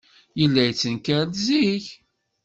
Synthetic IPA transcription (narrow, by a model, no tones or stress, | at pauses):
jəlːæjət͡sːənkæɾlziç